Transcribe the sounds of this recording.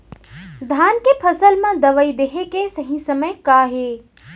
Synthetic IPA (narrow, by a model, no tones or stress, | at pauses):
d̪ʱaːnkepʰəsəlmãd̪əʋəid̪eɦekesəɦĩsəməjkaːɦe